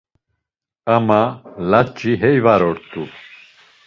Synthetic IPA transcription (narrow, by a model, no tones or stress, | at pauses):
amalat͡ʃʼiɦɛjvaɾɔɾt̪ʰʼu